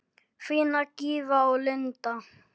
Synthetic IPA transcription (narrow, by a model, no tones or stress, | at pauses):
finakivaolɪnt̪a